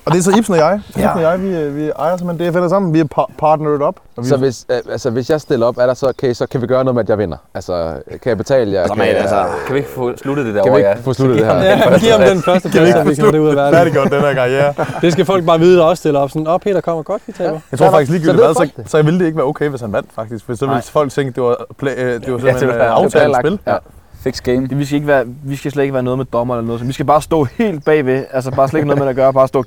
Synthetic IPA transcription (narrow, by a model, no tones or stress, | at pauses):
ɒd̥e̝æɐsɒib̥snɒjɑ̈ɪibnɔjɑɪʋiʋiɑɪɐsemend̥eæfenðˠsɑ̈m̰n̩ʋiæpʰpʰɑːd̥nəðˠɒb̥sɒ̽ʋesælsəʋe̝sjɑ̈ɪsd̥e̝l̰ɐɒ̽b̥æɐɾɑsɒ̽kʰæisɒ̽kʰæʋiɡ̥ɶːɐnoð̩ˠmeæd̥jɑ̈ɪʋen̰ɐʔælsɒkʰæjaɪbe̝t͡sʰɛ̰ːləjaæsɐkʰæʋie̝ɡ̥foslud̥əd̥ed̥æɐkæʋie̥fo̰ːslud̥əd̥ehæɐ̰jæɡ̥iɐ̰ɑmd̥enfɶɐsd̥əfæsʋikʰæd̥euðˠɐʋæɐdɾeɡɔd̥eæɐɡ̥ɑ̈ieɐd̥e̝sɡ̥æfɒ̽l̰ɡ̥̚bɑ̈ːʋiːð̞̩ˠd̥ɑɒ̽st͡sʰe̝lɒb̥sɔnɒpʰe̝̰ːd̥ɐkʰɒ̽m̰ɐɡ̥ɒd̥kit͡sʰɛjaɪt͡sʰo̝ɐfɑɡ̥is̬ɡliːɡyldiæð̩ˠsɒsɒ̽jaʋild̥e̝eɡ̥əʋæɐoʊkʰeɪʋeshænʋæn̰d̥fɑ̈ɡ̥d̥isɡ̥fd̥ḭːsɒʋelfɒ̽l̰ɡ̥̚t͡sʰeŋɡ̥əd̥e̝ʋɑpʰlɛd̥e̝ʋɑssemeɑ̈ʊɛbelfeɡ̥sɡ̥emd̥eʋisɡ̥æeɡ̥əʋæːɐʋisɡ̥æsled̥e̝ɡ̥ʋæːɐnɔːð̞ˠmed̥ɒ̽mɐelɐnɔːðˠsɒmʋisɡ̥æb̥ɑ̈ːsd̥ɔ̰ːhe̝̰ːld̥̚b̥ɛ̰ːʋe̝æls̬əb̥ɑ̈ːsleɡnɔð̩ˠmeæɡ̥ɶːɐb̥ɑ̈ːsd̥ɔ̰ː